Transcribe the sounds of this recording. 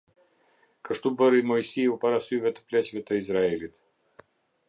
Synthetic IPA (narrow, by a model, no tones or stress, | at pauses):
kəʃt̪ubəɾimɔjsiupaɾasyjvɛt̪ə̥plɛt͡ɕvɛt̪əizɾaɛlit̪